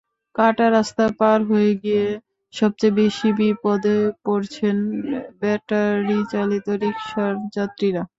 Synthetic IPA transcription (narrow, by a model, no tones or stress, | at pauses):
kaʈaɾast̪apaɾɦojeɡije | ʃɔb̚t͡ɕajbeʃibipɔd̪epoɾt͡ɕʰenbɛʈaɾit͡ɕalit̪oɾikʃaɾd͡ʑat̪ːɾiɾa